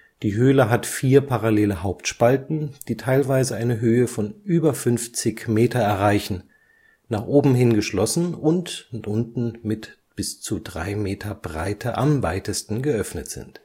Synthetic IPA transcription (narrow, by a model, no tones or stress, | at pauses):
d̥iːɦøːləɦatfiːɐpʰaʁaleːləɦaʊptʃpaltn̩d̥iːtʰaɪlvaɪzəaɪnəɦøːəfɔnʔyːbɐfʏnft͡sɪçmeːtʰɐɛɐʁaɪçn̩ | naːχʔoːbm̩ɦɪnɡəʃlɔsn̩ʊntʔʊntn̩mɪt | b̥ɪst͡sudʁa̰ɪmeːtʰɐbʁa̰ɪtʰəʔa̰mvaɪtəstn̩ɡəʔœfnətz̥ɪ̰nt